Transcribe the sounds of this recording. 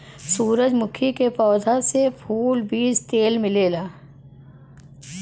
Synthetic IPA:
suːɾəd͡ʒmʊkʰikepɔːd̪ʱasepʰuːlbiːd͡ʒt̪eːlmɪleːlaː

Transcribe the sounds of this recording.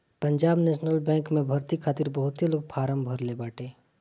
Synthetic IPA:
pəɲd͡ʒaːbnɛːʃnəlbɛ̃ːŋkmẽbʱəɾt̪ikʰaːt̪iɾbəɦʊt̪eloːɡ̚pʰaːɾəmbʱəɾlebaːʈeː

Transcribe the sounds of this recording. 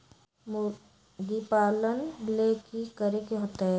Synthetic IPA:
m | ɡipaːlənlekikəɾekiɦʊt̪ɛː

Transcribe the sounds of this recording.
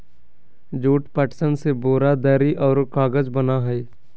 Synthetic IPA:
d͡ʒuːʈpəʈsənseboːɾad̪əːɾiʔɔːɾkaːɡəd͡ʒbənaɦɛː

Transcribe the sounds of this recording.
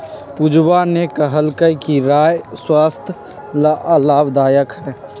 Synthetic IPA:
pud͡ʒwanekəɦəlkəjkiɾaːjswaːst̪ʰ | laʔəlaːbd̪aːjəkɦɛː

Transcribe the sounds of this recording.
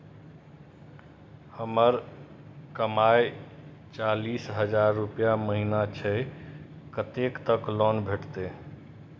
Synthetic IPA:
həməɾ | kəmaj | t͡ʃalisɦəd͡ʒaɾːupjaməɦinat͡ʃʰə | kət̪ekt̪əklɔnbʱeʈt̪e

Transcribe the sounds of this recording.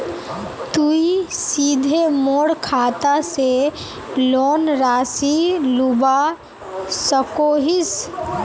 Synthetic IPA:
t̪uisid̪ʱemoːɽkʰaːt̪ase | loːnɾaːsiluba | səkoːɦis

